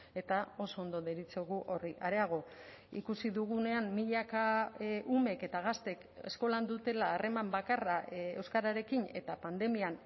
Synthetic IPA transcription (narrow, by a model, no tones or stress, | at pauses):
e̞t̪ao̞so̞ond̪oðeɾit͡soɣuʔo̞riʔaɾe̞aɣ̞o̞ | ḭkusiðuɣ̞une̞amːiʎakaʔume̞ke̞t̪aɣ̞ast̪e̞k | e̞̰sko̞land̪ut̪e̞laːre̞mambakarae̞wskaɾaɾe̞kine̞̰t̪apand̪e̞mian